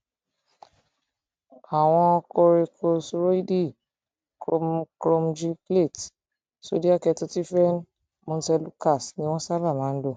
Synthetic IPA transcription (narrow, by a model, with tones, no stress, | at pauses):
a˨w̃ɔ̃˧ɔ˧ko˧ɾe˧kʰo˧sɾo˦i˦di˦˨ | ko˧kɾo˧md͡ʒi˦ple˦˨t | so˨˦di˦a˦˨kɛ˧to˦ti˦fɛ˦n˦ | mo˧n̩˦sɛ˧lu˦ka˦˨snĩ˦w̃ɔ̃˦sa˦la˦˨mãː˨˦n̩˦do˦˨